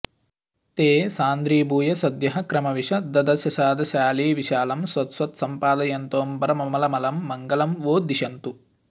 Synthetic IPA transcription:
t̪eːsaːnd̪ɾiːbʱuːjɐsɐd̪jɐɦɐkɾɐmɐʋiʂɐd̪ɐd̪ɐɾʃjɐʃaːd̪ʱɐʃaːliːʋiʃaːlɐmsʋɐt̪sʋɐt̪sɐmpaːd̪ɐjɐnt̪oːmbɐɾɐmɐmɐlɐmɐlɐmːɐŋɡɐlɐmʋoːd̪iʃɐnt̪u

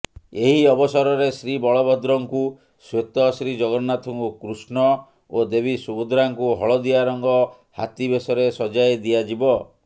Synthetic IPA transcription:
eɦiɔbɔsɔɾɔɾesɾibɔɭɔbʱɔd̪ɾɔŋku | swet̪ɔsɾid͡ʒɔɡɔɾnat̪ʰɔŋkukɾusnɔ | od̪ebʱisubud̪ɾaŋkuɦɔɭɔd̪iaɾɔŋɡɔ | ha̰t̪ibesɔɾesɔd͡ʒaed̪iad͡ʒibɔ

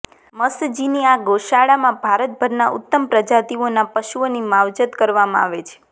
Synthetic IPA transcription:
məsd͡ʒiniaɡoʃaɭamãbʱaɾət̪̚bʱəɾnaʔʊ̰t̪ːəmpɾəd͡ʒat̪ionapəʃuonimaʋd͡ʒət̪kəɾʋamã̰a̰ʋet͡ʃʰe̥

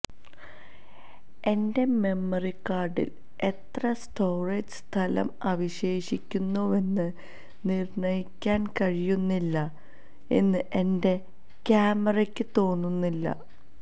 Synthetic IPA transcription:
e̞nde̞me̞mːɐrikːaːrɖḭl | e̞t̪rɐsto̞ːred͡ʑɨst̪ʰɐlɐ̰mɐʋiɕe̞ːɕikʲːunːuʋe̞nːɨ | nirɳɐjikʲːaːnkɐɻijunːilːɐ | e̞nːɨʔe̞nde̞ | kaːmɐrɐkʲːɨt̪o̞ːnːunːilːɐ̰

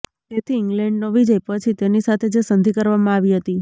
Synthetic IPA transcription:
t̪et̪ʰiɪŋɡlɛɳɖnoʋid͡ʒəjpət͡ʃʰit̪enisat̪ʰed͡ʒesənd̪ʱikəɾʋamãaʋiɦət̪i

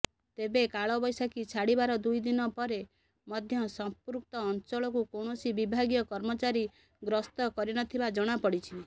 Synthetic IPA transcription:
t̪ebekaɭɔbɔjsakit͡ʃʰaɽibaɾɔd̪ujd̪inɔpɔɾe | mɔd̪ʱjɔsɔmpuɾk̚t̪ɔːnt͡ʃɔɭɔkukoɳ̃ɔsibibʱaɡijɔkɔɾmɔt͡ʃaɾi | ɡɾɔst̪ɔkɔɾinɔt̪ʰibad͡ʒɔɽ̃apɔɽit͡ʃʰi

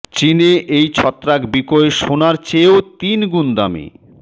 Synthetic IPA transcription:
t͡ɕineʔejt͡ɕʰɔt̪ːɾakbikoeʃonaɾt͡ɕeot̪inɡund̪amḭ

